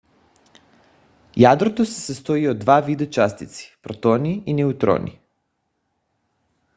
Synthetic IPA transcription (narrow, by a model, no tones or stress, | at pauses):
jad̪ɾot̪osesest̪oiod̪d̪ʋaʋid̪ot͡ʃast̪it̪si̥pɾot̪oniinɛut̪ɾo̰ːnḭ